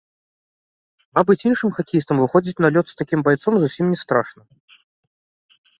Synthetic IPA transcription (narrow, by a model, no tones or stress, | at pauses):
mabɨt͡sʲinʂɨmxakʲijist̪əmvɨxɔd͡zʲit͡sʲnalʲɔt̪st̪akʲimbajt̪sɔmzusʲimnʲɛst̪ɾaʂnɐ